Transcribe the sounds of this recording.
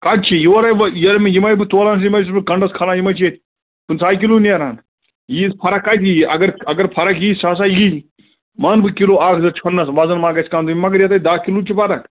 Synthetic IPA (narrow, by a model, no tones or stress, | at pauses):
kat͡ʃʰijoːɾaːjʋjɐɾmejimɐibɨt̪oːlaːnsjimɐjs̬bɨkɐɳɖɐskʰaːnaːjimɐjt͡ʃʰet̪ | pɨnsaːikiluːnijɐɾaːn | jiːspʰɐɾɐkːaːjt̪jiɐɡɐɾɐɡɐɾpʰɐɾɐkjiːsaːs̬aːjiː | maːnbɨkiloːaːkʰzɐt͡ʃʰɐnːɐsʋaːzɐnmaːɡɐsʰkaːmt̪uimɐɡɐɾjɐt̪ad̪aːkilut͡ʃʰipɐɾɐk